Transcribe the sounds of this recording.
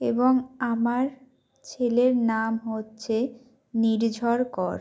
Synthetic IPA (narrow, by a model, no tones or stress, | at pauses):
eboŋamaɾ | t͡ɕʰeleɾnamɦotːɕʰe | niɾd͡ʑʱɔɾkɔɾ